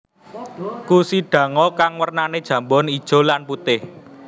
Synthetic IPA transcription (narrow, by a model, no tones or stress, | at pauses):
kusiɖ̥ä̤ŋɔkaŋwərnaned̥ʒ̥ä̤mbɔnid̥ʒ̥o̤lanput̪ɪh